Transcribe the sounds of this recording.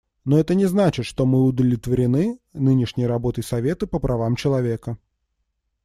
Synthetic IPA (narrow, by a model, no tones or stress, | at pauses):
no̞ɛt̪ənʲɪznat͡ɕɪt̪ʂt̪omɨʊd̪əvlʲɪt̪vəɾʲɪnɨnɨnʲɪʂnʲɪjɾɐbo̞t̪əjsɐvʲe̞t̪əpəpɾʔɐvamt͡ɕɪlˠɐvʲe̞kə